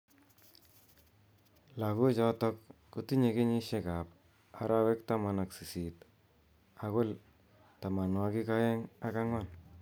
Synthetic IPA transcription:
la˨kʊ˦t͡ʃɔ˦tɔ˦k̚ː | u˨ti˦ɲe˧kɪ˦ɲi˦ʃe˨ka˨p̚ | a̰˨ɾʔa˦we˦k̚ta˦ma˨na˨ksi˨si˨t̪ | a˨ɣʊ˦l | ta˨ma˨nwa˧ki˦ka˦je˦ŋa˦ka˦ŋwa˦˨n

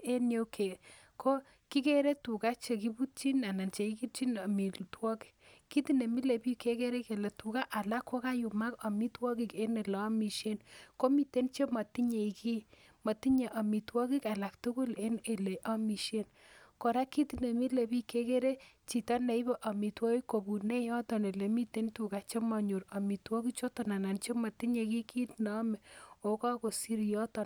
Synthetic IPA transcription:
e˦njo˦kʰe˨ | kʰo˦ | ki˦ke˦ɾe˦tu˨ka˦t͡ʃe˨ki˦bu˦t͡ʃi˦na˨na˨nt͡ʃe˨i˦ki˦t͡ʃi˦nɔ˨mi˨twɔ˦ki̥˨ | kːi˦ti˦ne˨mi˦le˨pi˦ke˦ke˦ɾe˦ke˨le˨tu˨ka˦ʔa˨la˦kːo˦ka˦ju˨ma˦kɔ˨mi˦twɔ˦ki˦ke˦ne˨lɛ˨ɔ˦mi˨ʃe˦nko˦mi˨te˦nt͡ʃe˦mɔ˨ti˦ɲe˨i˨ki˦ | mɔ˨ti˦ɲe˨ʔa˨mi˨twɔ˦ki˦ka˨la˨ktu˦ku˦le˦ne˨le˨ʔɔ˦mi˨ʃe˦n | ko˨ɾa˦ki˦tine˨mi˦le˨bi˦ke˦ke˦ɾe˦t͡ʃi˨ta˦ne˨i˦be˦ʔa˨mi˨twɔ˦i˦ko˨bu˨ne˦jɔ˦tɔ˨ne˨le˨mi˦te˦ntu˨ka˨t͡ʃe˦mɔ˨ɲo˨ɾa˨mi˨twɔ˦ki˦kt͡ʃo˦tɔ˨na˨na˨nt͡ʃe˦ma˨ti˦ɲe˨ki˦ki˦tnɔ˦mɛ˨o˨ka˦ko˨si˦ɾjɔ˦tɔ˨n

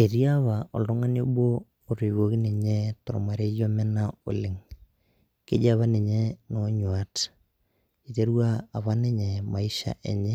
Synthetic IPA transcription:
e˨ɾi˦a˦βa˨ɔ˨ldɔ˦ŋa˦njo˦boː˦˨ | ɾe˨βo˦ki˦ni˨ɲe˦tɔ˨ɾma˨ɾe˦jo˦mɛ˦na˦o̰˨lɪ˨ŋ | kḛ˦d͡ʒa˦βa˦ne˨ɲe˦no˦ɲwa˦t | i˨te˦ɾuwaː˦˨βa˦ne˦ɲɛ˨ma˨i˦ʃa̰˨ʔe˨ɲɛ˦

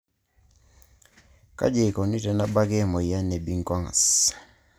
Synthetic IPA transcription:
ka̰˦d͡ʒe˨kɔ˨ni˦tɛ˨na˦ba˦ke˦˨mɔ˨ja˦nɛ˨bi˦ŋ˨kwa˦ŋa̰˨s

